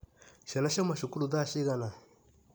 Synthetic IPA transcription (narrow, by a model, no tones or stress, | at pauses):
ʃɛlaʃemaʃukuɾud̪aʃiɣana